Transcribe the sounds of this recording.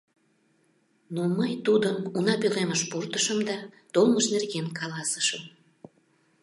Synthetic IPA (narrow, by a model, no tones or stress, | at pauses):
noməjt̪ud̪ənunɑpøleməʃpurt̪əʃəmd̪ɑt̪olˠməʃnerɣenkʰɑlɑsə̥ʃəm